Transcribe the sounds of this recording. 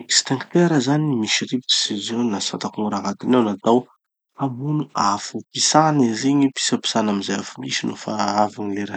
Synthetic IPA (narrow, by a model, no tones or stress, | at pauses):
ekst̪ãŋkt̪eɾəzanimiʃiɾipit̪i̥sizonasat̪akuŋuɾaɦat̪inewnat̪aw | amunuafupisanizeɲipi̥sapi̥sanamizajafumisinufa̰avanileɾa